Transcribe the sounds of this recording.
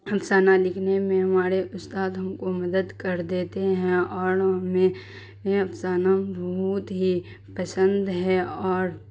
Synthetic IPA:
ɐpsaːnalɪkʰnemẽɦɐmaːɾeʔʊst̪aːd̪ɦɐmkomɐd̪əd̪kɐɾd̪eːt̪eɦɛ̃ɔːɾɦɐme | ẽɐpsaːnabʱɐɦut̪ɦi | pəsə̃nd̪ʱɦɛɔːɾ

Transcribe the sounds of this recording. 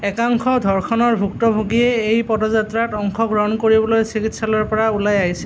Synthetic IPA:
ɛkaŋkʰɔdʱɔɹkʰɔnɔɹbʱuktɔbʱoɡiɛejpɔdɔzatɹatɔŋkʰɔkɹɔnkoɹibɔlojsikitsalɔɹpɔɹaulajaɦisɛ̥

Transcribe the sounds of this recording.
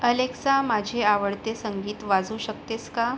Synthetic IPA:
əleksamad͡ʑʱeaʋəɽt̪esəŋɡiːt̪ʋad͡zuːɕək̚t̪eska

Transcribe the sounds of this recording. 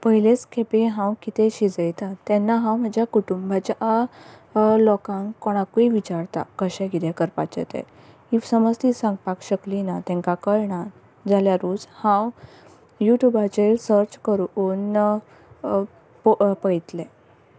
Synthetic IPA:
pəɦilet͡skʰepeɦãwkit̪eɕid͡zəjt̪at̪ːɛ̃nːaɦãwm̤əd͡ʑjakuʈumbʱat͡ɕaʔ | lɔkãŋkoɽ̃akuiʋit͡ɕaɾt̪a̰kəɕɛ̃ɡʱid̪ɛkəɾpa̰t͡ɕə̰t̪ɛ̰ | isəməd͡zt̪isãŋɡpakɕəklinat̪ɛ̃ŋkakəjɳa | d͡zaljaɾuːd͡zhãw | juʈjubat͡ɕelsəɾt͡ɕkəɾuːn | ppəjt̪lɛ

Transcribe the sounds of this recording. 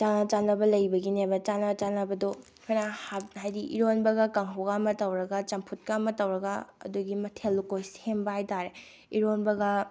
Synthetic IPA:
t͡ʃanɐt͡ʃanɐbɐlɐjbɐɡinebɐt͡ʃanɐt͡ʃanɐbɐdo | kʰojnahahajdiʔḭɾonbɐɡɐkɐŋɦɐwɡaːmɐtɐwɾɐɡɐt͡ʃɐmpʰut̚kaːmɐtɐwɾɐɡɐɐ̰duɡimɐtʰelːukojsembɐhajtaɾe | iɾonbɐɡɐ

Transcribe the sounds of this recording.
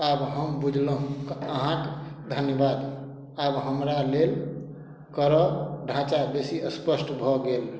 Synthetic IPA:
abɦəmbud͡ʒʱləɦũkəɦãkd̪ʱənjəbad̪ | abɦəmɾalel | kəɾɔɖʱãt͡ʃabesiəspəsʈbʱɔɡel

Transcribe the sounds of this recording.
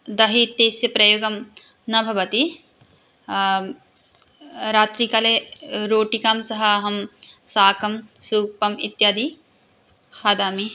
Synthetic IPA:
d̪ɐɦit̪ːeːsjɐpɾɐjoːɡɐm | nɐbʱɐʋɐt̪i | ɾaːt̪ɾikɐleɾoːʈikaːmsɐɦɐɦɐmsaːkɐmsuːpɐmit̪jaːd̪i | hɐd̪aːmi

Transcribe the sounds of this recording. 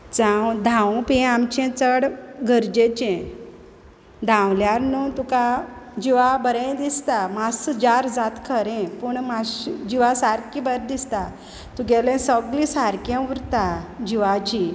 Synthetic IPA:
d͡zãwd̪ʱãwpĩamt͡ɕɛ̃t͡səɽɡəɾd͡ʑet͡ɕɛ̃ | d̪ʱãwljaɾnut̪ukad͡ʑiʋabəɾẽd̪ist̪amasd͡ʑaɾd͡zat̪kʰəɾɛ̃pəɳmasd͡ʑiʋasaɾkibəɾd̪ist̪a | t̪ũɡɛlẽsəɡlĩsaɾkjãuɾt̪ad͡ʑiʋat͡ɕi

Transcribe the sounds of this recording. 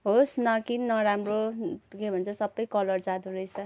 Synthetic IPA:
ɦosnʌkinːʌɾamrokebʱʌnt͡sʰʌsʌbːʌjkʌlʌrd͡zad̪uɾʌjt͡sʰʌ

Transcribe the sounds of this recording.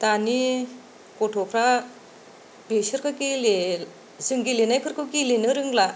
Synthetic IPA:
t̪ani | koʈʰopʰɾa | beɕəɾkakele | d͡zɨŋɡilinajpʰəɾkokelinəɾəŋɡla

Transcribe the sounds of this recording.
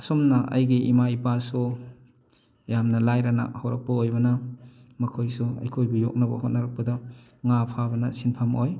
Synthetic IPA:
ɐsomnɐʔɐ̰jɡiʔimaipasu | jamnɐlajɾana̰hawɾɐk̚pɐojbɐnɐmɐkʰojsuɐ̰jkʰojbɐjok̚nɐbɐ̰ɦot̚nɐɾɐk̚pɐdɐ | ŋapʰabɐnɐsinpʰamoj

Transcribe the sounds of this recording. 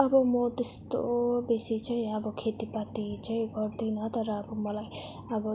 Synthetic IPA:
ʌbʌmʌt̪est̪o̰besit͡saĩʌbʌkʰet̪ipat̪it͡saĩɡʱʌrd̪inʌt̪ʌɾʌːbʌmʌlaj | ʌbʌ

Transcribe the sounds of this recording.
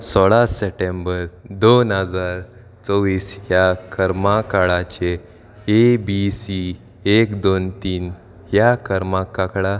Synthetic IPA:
sɔɭaseʈembəɾd̪onɦəd͡zaɾ | t͡sɔʋiːsɦjakʰəɾmakaɭat͡ɕeː | bisi | ekd̪ont̪iːn | ɦjakəɾmãkakɭa

